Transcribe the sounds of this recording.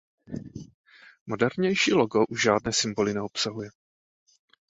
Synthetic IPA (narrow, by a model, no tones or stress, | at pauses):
mo̞dɛɾɲɛjʃiːloɡo̞ʔuʒʒaːdnɛːsɪmbo̞lɪnɛo̞psaɦujɛ